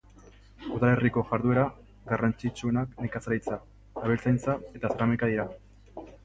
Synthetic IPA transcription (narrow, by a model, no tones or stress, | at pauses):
uðale̞riko̞ʝaɾðue̞ɾa | ɡarant͡ʃit͡ʃue̞nakne̞kasaɾijt͡sa | aβelt͡sajnt͡sae̞t̪asaɾamekaðiɾa